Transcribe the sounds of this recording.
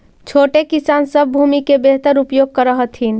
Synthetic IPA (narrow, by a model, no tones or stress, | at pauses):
t͡ʃʰoʈekisansəbʱbʱumikebeɦt̪əɾupjoɡ̚kəɾəɦət̪ʰɦin